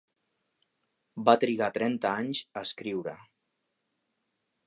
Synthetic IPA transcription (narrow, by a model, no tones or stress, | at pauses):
bat̪ɾiɣat̪ɾɛnt̪əaɲzəːskɾiwɾə